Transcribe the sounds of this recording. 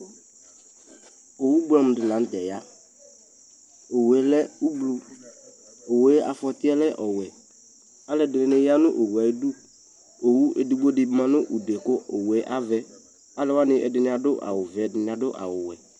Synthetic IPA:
o˨wu˦blɔ˨m˨dɪ˨nã˨˦n̩˦d̪ɛ˨ja˦ | o˨wɛ˨lɛ˦u˦blu˦ | o˨we˨˦a̰˨fɔ˨t̪ɪ˦ɛ˦lɛ˦ʔɔ˨wɛ˨ | a˦lɛ˨˦˨dɪ˨nɪ̃˨nɪ˦ja˦nʊ̰˦ʔo˨wu˨a˨ji˦du˦ | o˨wu˦ʔe˨du˨ɡ͡bo˦dɪ˨bmã˨nʊ̃˦ʔu˨de˨kʊ˦o˨wɛ˨˦ʔa˦vɛ˦ | a˦lɛ˦wa˦nɪ˦ʔɛ̰˨dɪ˨nɪ̃˨a˨dʊ˦ʔa̰˨wʊ˨vɛ˨˦dɪ˨nɪ˨a˨dʊ˦ʔa̰˨wʊ˨wɛ˨

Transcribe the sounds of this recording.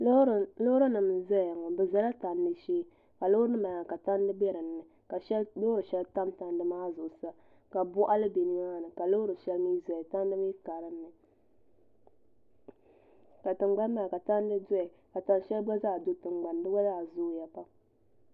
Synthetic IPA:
lo˦ɾɨ˦nɨ˨mza˦ja˨ŋɔ˨bɨ˨za˦la˦ta˨n˦dɨ˦ʃiː˦ | ka˨lo˦ɾnɨ˦ma˨a˨ka˨ta˦n˦dɨ˦bɛ˦ɾɨ˨n̩ːɨ˨ | ka˨ʃlo˦ɾɨ˨ʃɛ˦lta˦mta˨ndɨ˦maː˦zʊ˨ʔʊ˨sa˦ | ka˨bʊ˦ʔa˦lɨ˦be˨ni˦ma˦˨nɨ˨ka˨lo˦ɾɨ˨ʃɛ˦lmiː˦za˨ɛ˨ta˦n˦dɨ˦m˦i˦ka˨ɾɨ˨nː˦ɨ˨ | ka˨tɨ˨ŋ͡mɡ͡ba˦n˦ma˨ka˨ta˦n˦dɨ˦dʊ˦ɛ˨ | ka˨ta˦n˦ʃɛ˦lɡ͡ba˦zaː˦˨do˦tɨ˨ŋ͡mɡ͡ba˨ndɨ˦ɡa˦za˦˨zʊ˦ja˨pa˦

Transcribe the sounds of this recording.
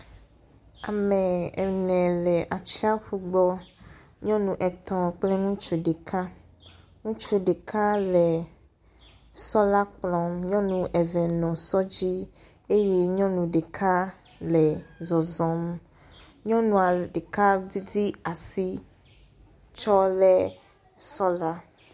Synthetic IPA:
a̰˨mɛ̃˨ɛ̰˨nɛ̃˨lɛ˨ʔa˨t͡ɕi˦a˦ɸu˦ɡ͡bɔ˦ | ɲɔ̃˦nũ˨ʔɛ˨t̪ɔ̃˨k͡plɛ˦ŋũ˦t͡ʃu˦ɖe˨kʰa˦ | ŋũ˦t͡ʃu˦ɖe˨kʰa˦lɛ˨ | sɔ˦la˦k͡plɔ̃˨mɲɔ̃˦nũ˨ʔɛ˨vɛ˨nɔ̃˨sɔ˦d͡ʑi˦ | e˦je˦ɲɔ̃˦nũ˨ɖe˨kʰa˦ | lɛ˨zɔ˨zɔ̃˨m | ɲɔ̃˦nũ˨a˨ɖe˨ka˦di˦di˦a˨si˦ | t͡ʃɔ˦lɛ˦ | sɔ˦la˦

